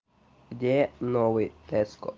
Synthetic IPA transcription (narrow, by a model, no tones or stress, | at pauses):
ɡdʲɛnɔʋɪt̪ɛskɔ̰